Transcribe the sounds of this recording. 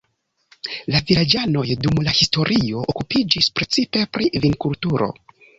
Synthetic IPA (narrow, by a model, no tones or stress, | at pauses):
lavilad͡ʒano̞jdumlahisto̞ɾʔio̞ʔokupid͡ʒispɾe̞t͡sipe̞pɾivinkultuɾo̞̰